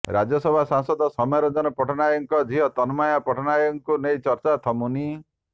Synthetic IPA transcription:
ɾa̰d͡ʒɔsɔbʱasaŋsɔd̪ɔsɔmaɾɔd͡ʒɔnɔpɔʈʰɔnajɔŋkɔd̪ʱiɦɔt̪ɔnmajapɔʈʰɔnajɔŋkunejt͡ʃɔɾt͡ʃat̪ʰɔmuni

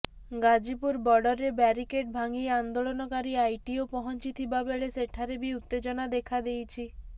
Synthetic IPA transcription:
ɡad͡ʒipuɾbɔɖɔɾebɛɾikeʈ̚bʱaŋieand̪oɭonɔkaɾiajʈiopɔɦɔnt͡ʃit̪ʰibabeɭeseʈʰaɾebiut̪ːed͡ʒɔnad̪ekʰad̪ejt͡ʃʰi

